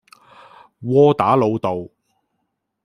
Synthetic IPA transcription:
wɔː˥t̪aː˨˥lo˨˧wt̪o˨w

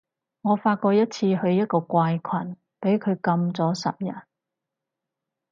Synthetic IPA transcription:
ŋɔː˨˧faː˧t̚kɔː˧jɐ˥t̚t͡sʰiː˧hɵ˧ɥjɐ˥t̚kɔː˧kʷaː˧jkʷʰɐ˨˩n | pe˨˥jkʰɵ˨˧ɥkɐ˧mt͡sɔː˨˥sɐ̰˨p̚jɐ̰˨˩n

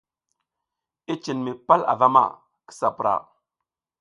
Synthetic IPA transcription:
i˦t͡ʃi˨nmi˨pa˦la̰˨va˦ma̰˨ | ki̥˦sa˨pɾa̰˨

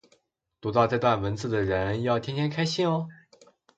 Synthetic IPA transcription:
t̪u˧˥t̪ɑ˥˧ʊʈ͡ʂɤ˥˧t̪wa˥˩nwə˧˥nt͡sɹ̩˥˩d̪ə˩ɻə˧˥njɑ˥˩ʊt̪ʰɛ˥nt̪ʰjɛ˥nkʰa˥ɪɕi˥˩ŋɔ˧

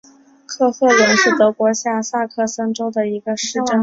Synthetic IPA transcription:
kʰɤ˥˧xʰɤ˥˩wə˧˥nʂɻ̩˥˩t̪ɤ˧˥kwɔ˧˥ɕja˥˩sa˥˧kʰɤ˥˩sə˥nʈ͡ʂo˥ʊd̪ə˨i˧˥ɡə˧ʂɻ̩˥˩ʈ͡ʂə˥˩n

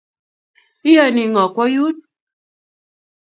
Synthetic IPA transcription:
i˦jɔ˨ni˨˦ŋɔ˨kwɔ˦ju˦t̚

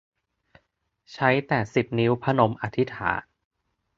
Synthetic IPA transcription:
t͡ɕʰa˦˥jt̪ɛː˨˩si˨˩p̚niː˦˥wpʰa˥no˧˥mʔa˧˥t̪ʰi˦˥t̪ʰa̰ː˩˦n

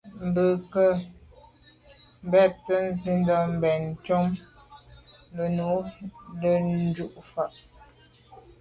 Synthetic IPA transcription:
m̩˨bə˨kə˦ | m̩˨bɛ˦˨tːə˦n̩˦zi˦ndɔ˦m̩˨bɛ˨n˨t͡ʃɔ˦m | lə˨nu˨˦lə˦n̩˦d͡ʒu˦ʔfa˨ʔ

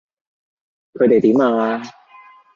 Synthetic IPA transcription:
kʰɤː˨˧jt̪e˨˩t̪iː˨˥˦maː˧˩laː˧

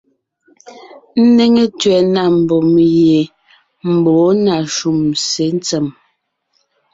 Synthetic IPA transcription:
n̩˦ne˦ŋe˦tɥɛ˨na˦˨m̩˨bɔ˨m˨je˨ | m̩˨bɔː˨˦na˨ʃu˨mse˨˦n˦t͡sɛ˨m

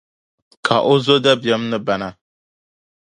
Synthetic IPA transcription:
kʰa˨ʔo˦zo˦da˦bjɛ˦mnɨ˦ba˨na˨

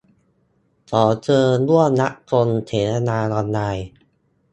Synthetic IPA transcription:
sʰɔː˩˦t͡ɕɤː˧lu˥˩əmna˦˥ʔkʰo˧nt̪ʰeː˩˦t̪ʰa˧naː˧nɔː˧nːaː˧j

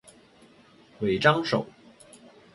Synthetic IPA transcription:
we˨˩ɪʈ͡ʂɑ˥ŋʂo̰˨˩˦ʊ

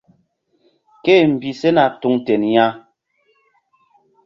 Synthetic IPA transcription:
ke˦˨m̩˨bi˨sɛ˦na˨tu˦ŋtɛ˨nja˦

